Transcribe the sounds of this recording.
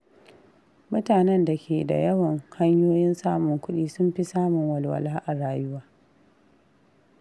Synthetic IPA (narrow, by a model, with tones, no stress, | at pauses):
mʊ˦taː˨nɛ˦nda˨kʲʰeː˨da̰˨jɐ˦wɐ˨ŋha˦ɲjoː˦jɪ˦nsaː˦mʊ˨ŋkʷʊ˦ɗiː˦sʊ˦mɸi˦saː˦mʊ˨ŋwɐ˨lwɐ̰˨laː˦ʔa˨ɽaː˦jʊ˦waː˦